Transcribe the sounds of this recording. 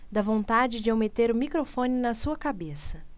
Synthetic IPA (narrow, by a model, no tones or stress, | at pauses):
d̪ɐvõnt̪ad͡ʒɪd͡ʒɪawmet̪eɾʊmikɾofõnɪnɐsuɐkabesɐ